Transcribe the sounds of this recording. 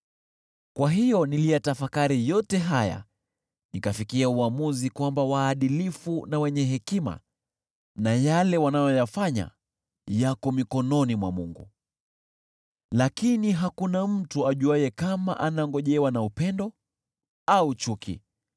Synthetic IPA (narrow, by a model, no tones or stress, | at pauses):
kwaɦijɔnilijatafakaɾijɔtɛɦaja̰ | nikafikiauamuzikwambawaːɗilifunawɛɲɛɦɛkima̰ | najalɛwanajɔjafaɲa̰ | jakɔmikɔnɔnimwa̰muŋɡṵ | lakiniɦakunam̩tuaʄuajɛkama̰ʔanaŋɡɔʄɛwanaupɛndɔ | aut͡ʃukʰḭ